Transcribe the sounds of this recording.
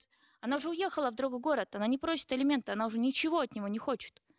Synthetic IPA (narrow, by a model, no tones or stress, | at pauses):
ɐnaʊʐɛʊje̞xəlˠəvd̪ɾoɡəɡo̞ɾət̪ɐnanʲɪpɾo̞sʲɪ̥t̪ɐlʲɪmʲe̞nt̪əɐnaʊʐɛnʲɪt͡ɕɪvo̞ɐt̪nʲɪvo̞nʲɪxo̞t͡ɕɪ̥t̪